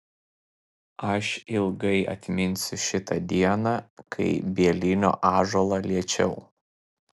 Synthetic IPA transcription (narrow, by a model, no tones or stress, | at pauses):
ɐʃɪlˠɡɐɪʔɐ̰t̪ʲmʲɪnʲsʲʊʃʲɪt̪ɐd̪ʲiɛnɑːkʰɐɪbʲiɛlʲɪnʲo̰ːʔɑːʒoːlˠɑlʲiɛt͡ʃʲɛʊ